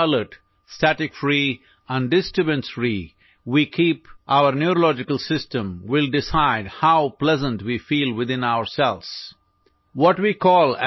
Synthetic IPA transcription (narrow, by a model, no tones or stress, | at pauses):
ləʈ | sʈæʈɪkfɾiː | ə̃nɖɖɪsʈɾɨbə̃nsɾi | wiːkʰiːpʔaʊəɾnjuɾolɔd͡ʒɪkəlsɪsʈə̃mwɪlɖɪsaɪɖhaʊplɛzə̃nʈwiːfiːlwɪd̪ɪ̃naʊəɾsɛls | wɔʈwiːkʰɔːl